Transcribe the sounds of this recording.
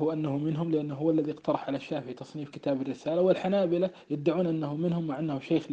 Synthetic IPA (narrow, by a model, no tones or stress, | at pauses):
huʔanːahumɪnɦʊmlɪʔanːɦʊwːalːaðiɪqt̪ɑɾˤɑħʕalaʃːaːfɪit̪ɑsˤniːfkɪt̪aːbarːɪsaːlawɪlħanaːbɪlajɪd̪ːaʕuːnʔanːahʊmɪnhʊmːaʕʔanːahʊʃeːx